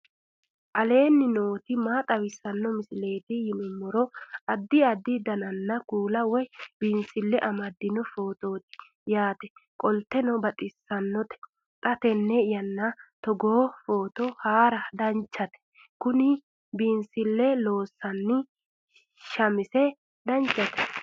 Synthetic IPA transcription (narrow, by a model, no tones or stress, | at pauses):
ʔɐle̞ːnːɪnoːt̪ɪmaːt̪ʼɐwɪsːɐnːɔmɪsɪle̞ːt̪ɪjɪnɔmːɔɾɔɐd̪ːɪɐd̪ːɪd̪ɐnɐnːɐkuːlɐwɔjbiːnsɪlːɛʔɐmɐd̪ːɪnɔfo̞ːt̪o̞ːt̪ɪ̥ | jaːt̪ɛkʼɔlt̪ːɛnɔbɐt̪ʼɪsːɐnːɔt̪ɛ̥ | t̪ʼɐt̪ɛnːɛɪjɐnːɐt̪ɔɡoːfoːt̪ɔhaːɾɐd̪ɐnt͡ʃːɐt̪ɛ̥ | kʊnɪ | biːnsɪlːɛlo̞ːsːɐnːɪ | ʃɐmɪsɛ | d̪ɐnt͡ʃːɐt̪ɛ̥